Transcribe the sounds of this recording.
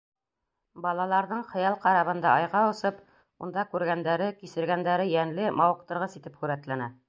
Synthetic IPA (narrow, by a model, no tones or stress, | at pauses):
bɑlˠɑlˠɑɾðɤɴχɤ̆jɑlˠqɑɾɑβɤ̆nd̪ɑʔɑjʁɑŏsɤp | und̪ɑkʉɾɡænd̪æɾɘkisɘ̆ɾɡænd̪æɾɘjænlɘmɑwɤ̆q̚t̪ɤ̆ɾʁɤsit̪ɘpχʉɾæt̪lænæ